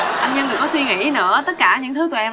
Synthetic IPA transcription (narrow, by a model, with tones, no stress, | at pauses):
ʔa˧nɲə˧nɗɨ˨˩kːɔ˨˦swi˧ŋḭ˧˥nɨ̰˧˥ət̪ə˦˥t̚kaː˧˩ɲɨ̰˧˥t̪ʰɨ˨˦t̪u˨˩ʔɛ˧